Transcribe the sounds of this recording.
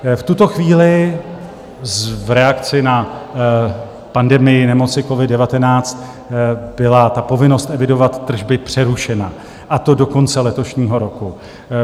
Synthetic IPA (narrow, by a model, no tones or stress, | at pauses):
ft̪ut̪o̞xviːlɪ | zvɾɛakt͡sɪna | pandɛmɪjɪnɛmo̞t͡sɪko̞vɪd̚dɛvat̪ɛnaːt͡st̪ | bɪlat̪apo̞vɪno̞st̪ʔɛvɪdo̞vat̪ːr̩ʒbɪpr̝̥ɛɾuʃɛna | ʔat̪o̞do̞ko̞nt͡sɛlɛt̪o̞ʃɲiːɦo̞ɾo̞ku